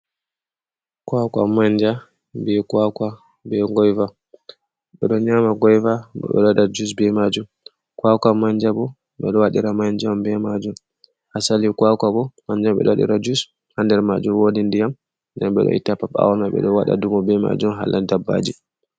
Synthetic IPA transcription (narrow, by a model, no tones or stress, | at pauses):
kwakamaɲd͡ʒa | bɛkwakwa | bɛɡɔjva | ɓɛɗɔɲamaɡɔjvaɓɔ̰ɓɛ̰ɗɔɗad͡ʒus̬bɛmad͡ʒum | kwakamaɲd͡ʒabɔ | ɓɛɗɔwaɗiɾamaɲd͡ʒambɛmad͡ʒum | hasalikwakaɓɔmaɲd͡ʒamɓɛ̰ɗɔwaɗḭɾad͡ʒus | handɛɾmad͡ʒumwoːdindijam | ndɛmɓɛ̰ɗɔ̰ḭtapaba̰wnaɓɛ̰ɗɔwaɗa̰dumɔbɛma̰d͡ʒumɦa̰lʔadabːa̰d͡ʒi